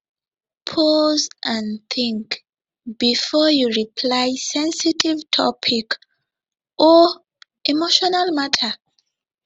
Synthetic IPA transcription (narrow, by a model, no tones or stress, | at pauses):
pʰɔzʔãnθĩŋk | b̥ifɔjuɹipʰlajsɛ̃nsitʰivtʰɔpʰik | ʔɔ | imoʃɔnalmatʰə